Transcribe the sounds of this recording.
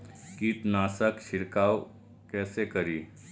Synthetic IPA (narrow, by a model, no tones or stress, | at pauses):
kiːʈnaːsəkʃɪɾkaːw | kɛːsekɐɾiː